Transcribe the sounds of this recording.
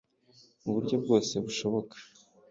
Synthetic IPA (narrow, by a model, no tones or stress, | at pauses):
uβuɾɟo̞b̚ɡo̞ːse̞βuʃo̞βo̞kḁ